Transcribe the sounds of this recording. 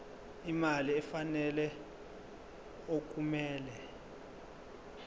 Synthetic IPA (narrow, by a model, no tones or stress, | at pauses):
imaliɛfanɛlɛ | ok̬ʼumɛːlɛ